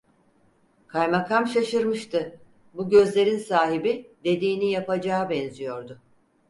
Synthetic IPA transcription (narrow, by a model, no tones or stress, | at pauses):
kʰajmakʰamʃaʃɯɾmɯʃt̪ʰɯ | buɟø̞zlʲe̞ɾinsaːɦibid̪e̞d̪iːnijapʰad͡ʒaːbɛnzijo̞ɾd̪ʊ